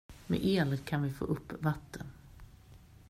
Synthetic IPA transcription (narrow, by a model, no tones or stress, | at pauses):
mɛ̰ʔeːlət̪kʰanvɪfo̰ːʔɵpːvat̪ʰːən